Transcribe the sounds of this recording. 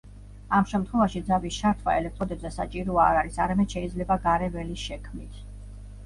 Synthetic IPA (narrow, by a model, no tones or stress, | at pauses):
amʃɛmt̪ʰχwɛvaʃid̪zabist͡ʃʰaɾt̪ʰwa̰ɛlɛk̚t̪ʼɾɔd̪ɛbzɛsa̰t͡ʃʼiɾɔaːɾaɾisaɾamɛd̪̥ʃɛid̪zlɛbaɡaɾɛvɛliʃɛkʰmnit̪ʰ